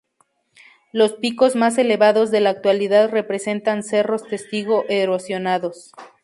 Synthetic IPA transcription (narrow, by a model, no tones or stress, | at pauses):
lo̞spiko̞zmas̬e̞le̞βaðo̞zðe̞laːk̚t̪waliðaðre̞pɾe̞se̞nt̪anse̞ro̞st̪e̞st̪iɣo̞ʔeɾosjo̞naðos